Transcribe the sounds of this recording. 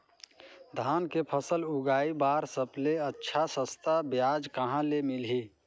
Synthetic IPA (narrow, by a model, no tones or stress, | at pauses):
d̪ʱaːnkepʰəsəlʊɡaːibaːɾsəpleətːʃʰasəst̪abjaːd͡ʒkəɦãlemɪlɦi